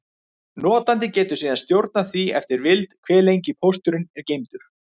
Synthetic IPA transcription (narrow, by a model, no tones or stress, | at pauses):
nɔːt̪ant̪ɪcɛːt̪ʏ̥siːðanst̪jowɾt̪̚naθviɛft̪ɪɾvɪlt̪kʰvɛːlejɲcɪpʰowst̪ʏɾɪnɛɾcejmt̪ʏɾ̥